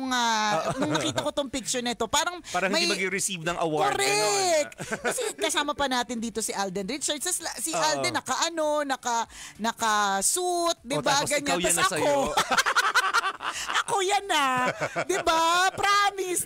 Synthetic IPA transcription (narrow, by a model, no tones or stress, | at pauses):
ŋanɐŋnɐkiːt̪ɐkot̪oŋpik̚t͡ʃʊɹnɐʔɛt̪o̞paːɾɐŋaɾɐŋmɐjɐɡɪɾɪsivnɐŋʔɐwakoɾɛk̪kɐsɛkɐsaːmɐpɐnaːt̪ɪnd̪iːt̪o̞sɪʔald̪ɛnɾisɛɹsɛslsiʔald̪ɛnɐkɐʔɐno̞nɐkɐnɐkɐsut̪̚d̪ɪbaɡɐɲːɐsɐɐo | ɐkojanːad̪ɪbapɾaːmɪs